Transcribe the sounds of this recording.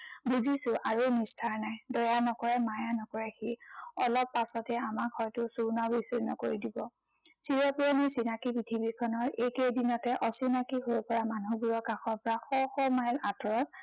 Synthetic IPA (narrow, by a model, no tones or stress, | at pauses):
buzisʊʔaɹonistʰaɹnajdɔjanɔkɔɹɛmajanɔkɔɹɛxiɔlɔpːasɔtɛamakhɔjtʊsuɹnabisiɹnɔ̰koɹidibɔ | siɹɔpuɔmisinakipɹitʰibikʰɔnɔɹekejdinɔtɛʔɔsinakiɦojpɔɹamanubuɹɔkaxɔbɹaxɔxɔmajlatɔɹɔt̚